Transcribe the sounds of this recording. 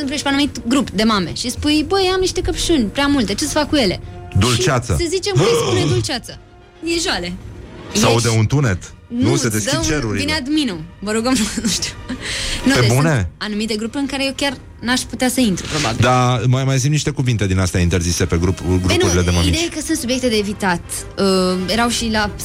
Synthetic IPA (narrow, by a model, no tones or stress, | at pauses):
sɨnp̪ɾieʃpeanumit̪ɡɾupd̪e̞mame̞̰ʃispujbəjamniʃt̪e̞kəpʃunʲpɾʲeamult̪et͡ʃesə̥fakːuje̞le̞d̪ult͡ʃat̪sə̰səzit͡ʃemkspuned̪ult͡ʃat̪sə | jeʒoale̞isaud̪eunt̪unet̪ | nnued̪eskd̪iət͡ʃeɾuɾʲinead̪minumvəɾuɡəmnumnuʃt̪u̥ | nuped̪ebuneanumit̪eɡɾupuɾɨŋkaɾejewkʲar | naʃput̪easəint̪ɾṵpɾo̞ba̰bild̪amajmajzimniʃt̪e̞kuvint̪e̞d̪inast̪eaint̪e̞ɾzise̞peɡɾupɡɾunuɾiled̪emamiid̪ejekəsɨnt̪subje̞kt̪e̞d̪eːvit̪at̪ | əjeɾawʃila